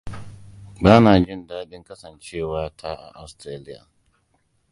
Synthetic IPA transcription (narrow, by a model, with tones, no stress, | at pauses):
baː˦naː˨d͡ʒɪ˦˨ndaː˦dɪ˦ŋkɐ˦sɐ˨nt͡ʃeː˦˨waː˦tʰa˦ʔa̰˨ʔa˨wstɾaː˦lɪ˦ja̰ː˨